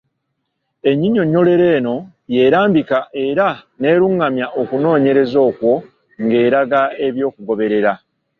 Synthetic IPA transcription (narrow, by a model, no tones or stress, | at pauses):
e̞ɲːiɲo̞ɲːo̞le̞ɾe̞ːno̞ | je̞ːɾaːmbikaʔe̞ɾa | ne̞ːɾuŋɡamjaʔo̞kuno̞ːɲe̞ɾe̞zo̞ːkwo̞ | ŋɡe̞ːɾaɡae̞βjo̞ːkuɡo̞βe̞ɾe̞ɾa